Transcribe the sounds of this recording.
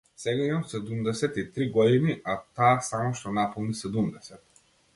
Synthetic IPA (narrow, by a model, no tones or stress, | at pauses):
sɛɡaimamsɛd̪umd̪ɛsɛt̪it̪ɾiɡɔd̪iniʔat̪aːsamɔʃt̪ɔnapɔlˠnisɛd̪umd̪ɛsɛt̪̚